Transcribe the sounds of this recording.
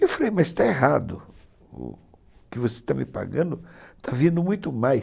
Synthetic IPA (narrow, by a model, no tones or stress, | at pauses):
ewfɾejmɐzst̪aeɦad̪ʊ̰ | ʊ̰ | kɪvose̥t̪amɪpa̰ɡɐ̃nd̪ʊt̪ʰavĩnd̪ʊmũj̃t̪ʊmaj